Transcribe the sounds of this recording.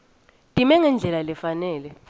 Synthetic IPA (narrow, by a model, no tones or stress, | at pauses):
tʼimɛŋɛnd͡ɮʱɛlalɛfanɛːlɛ